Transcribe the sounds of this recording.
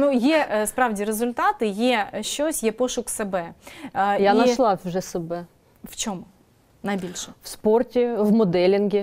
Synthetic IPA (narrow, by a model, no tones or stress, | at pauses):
nujɛspɾɑwdʲiɾezʊlʲt̪ɑt̪ɪjɛʃt͡ʃɔsʲjɛpɔʃʊksɛbɛ | jjainɐʃlˠɑʐɛsɐbɛ | ft͡ʃomʊ | nɐjbʲilʲʃɛfsportʲɪʋmʊd̪ɛlʲɪnɡʲɪ